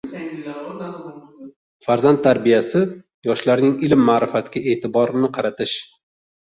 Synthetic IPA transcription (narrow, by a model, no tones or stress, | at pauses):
faɾzant̪ːʰaɾbijasɪ | jɒʃlaɾnɪŋɪlɪmːaːɾɪfat̪kʲae̞ːt̪ʰɪbɒɾnɪqʰɑɾat̪ʰɪʃ